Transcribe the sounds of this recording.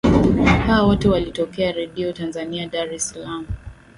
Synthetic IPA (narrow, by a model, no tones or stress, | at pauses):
hawawɔtɛwalitɔkɛaɾɛɗiɔtanzaniaɗaɾɛsalamu